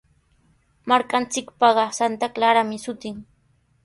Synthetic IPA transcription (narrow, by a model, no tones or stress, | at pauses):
maɾkant͡sɪkpɑɢɑsant̪aklaɾamɪsʊt̪ɪŋ